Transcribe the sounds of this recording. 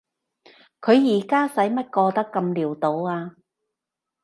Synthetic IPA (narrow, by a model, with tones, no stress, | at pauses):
kʰɵ˨˧ɥjiː˨˩kaː˥sɐ˨˥jmɐ˥t̚kɔː˧t̪ɐ˥kːɐ˧mliː˨˩wt̪o˨˧waː˧